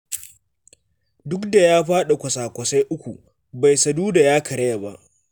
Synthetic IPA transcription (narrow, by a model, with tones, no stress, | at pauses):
dʊ˦kda˨jaː˦ɸaː˦ɗa˨kʷɐ˨saː˨kʷɐ˨sa˦jʔʊ˦kʷu˨ | ba˨jsɐ˨duː˦da˨jaː˦kʰɐ˨ɽɐ˦ja˨ba˦ʔ